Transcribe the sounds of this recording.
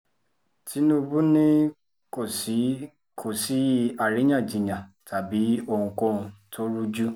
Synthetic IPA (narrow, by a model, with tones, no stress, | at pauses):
tʰi˨˦nũ˦˧bu˦nĩ˦ | ko˦˨si˨˦ | kʰo˨si˨˦a˨ɾi˨˦j̃ã˦˨d͡ʒĩ˨ɲã˨ta˨bi˨˦o˧ŋũ˧ko˦˨ũ˧tʰo˦ɾu˦d͡ʒu˦